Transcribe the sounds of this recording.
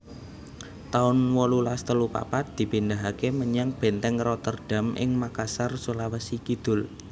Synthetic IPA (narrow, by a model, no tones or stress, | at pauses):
t̪aʊnwɔlulast̪əlupa̰pat̪̚d̪̥i̤pind̪aɦakeməɲaŋb̥ɛ̤nt̪ɛŋrɔt̪ərɖ̥a̤mʔɪ̰ŋmakasarsolawəsikid̪̥ʊ̤l